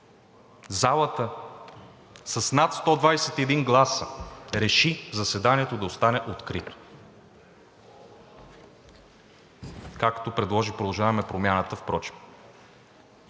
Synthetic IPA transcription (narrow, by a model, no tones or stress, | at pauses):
zalˠət̪ə | sɐsnat̪st̪ɔd̪vajsɛt̪ɛd̪inɡlˠasəɾɛʃizɐsɛd̪aniɛt̪od̪ɐost̪anɛʔot̪kɾit̪o̥ | kakt̪opɾɛd̪lˠɔʒipɾod̪ˠlˠʒavəmɛpɾomʲjanət̪əfpɾɔt͡ʃi̥p